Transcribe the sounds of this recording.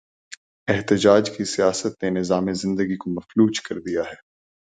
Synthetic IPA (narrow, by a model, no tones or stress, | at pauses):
ɛɦt̪ɪd͡ʒaːd͡ʒkisijaːsət̪̚nenɪzaːmezɪ̃nd̪əɡikomɐfluːt͡ʃkɐɾd̪ijaɦɛː